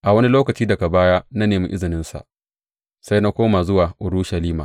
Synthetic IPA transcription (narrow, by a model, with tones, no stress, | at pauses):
ʔa˨wɐ˦ni˦loː˦kɐ˨t͡ʃiː˦dɐ˨ka˨baː˦ja˦na˦neː˨mḭ˦ʔɪ˦zɪ˨nɪ˦nsa̰˨ | sa˦jna˦kʷoː˦ma˨zʊ˦waː˨ʔʊ˨ɾuː˦ʃɐ˨liː˦maː˨